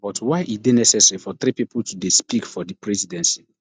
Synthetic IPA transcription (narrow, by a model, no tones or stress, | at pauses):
bɔtwaɪʔitdenɛsɛsɛɹifɔθɾipipultʰudespikfɔdəpɹɛzidɛ̃nsi